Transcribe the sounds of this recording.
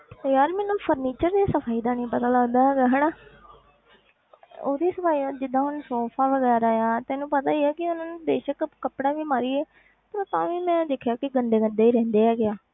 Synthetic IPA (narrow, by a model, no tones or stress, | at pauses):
t̪ːjaːɾmɛːnũːpʰəɾniːt͡ʃəɾd̪iːsəpʰaːiːd̪aːnĩːpət̪aːləɡd̪aːɦɛːɡaːɦɛːna | oːd̪iːsəpʰaːiːd͡ʒɪd̪ãːɦʊnsoːpʰãːʋəɡɛːɾaːjaːt̪ɛ̃ːnũːpət̪aːiːɛːkɪʊnãːnũːd̪eːʃəkkəpɽaːʋiːmaːɾiːɛː | pəɾt̪ãːʋiːmɛ̃ːd̪ɪkʰjaːkɪɡənd̪eːɡənd̪eːiːɾɛ̃ːnd̪eːɦɛːɡɪjaː